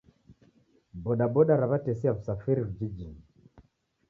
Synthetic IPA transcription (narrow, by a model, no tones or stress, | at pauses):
bɔɗabɔɗaɾaβatɛsiavusafiɾivud͡ʒid͡ʒin